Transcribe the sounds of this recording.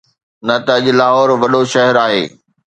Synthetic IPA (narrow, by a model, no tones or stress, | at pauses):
nɐt̪ɐɐʄlaːɦɔːɾʋɐɗoʃɐɦɛɾaːɦḛː